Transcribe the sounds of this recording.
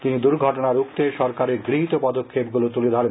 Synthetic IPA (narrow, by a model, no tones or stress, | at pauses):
t̪inid̪uɾɡʱɔʈonaɾukt̪eʃɔɾkaɾeɾɡɾiɦit̪opɔd̪okʰːepɡulot̪uled̪ʱɔɾen